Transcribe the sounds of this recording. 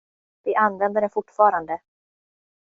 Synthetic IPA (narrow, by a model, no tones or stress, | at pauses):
v̥ɪʔanːvɛnd̪əɖɛnfʊʈːfɑːɾand̪ə